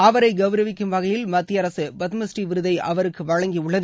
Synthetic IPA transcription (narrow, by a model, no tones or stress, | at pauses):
ɐʋɐɾɐɪɡɐʋɾɐʋɪkːɯmʋɐɣɐjɪlmɐt̪ːɪjɐɾɐsɯbɐt̪mɐsʈiʋɪɾɯðɐɪʔɐ̰ʋɐɾɯkːɯʋɐɻɐŋɡiʊɭːɐð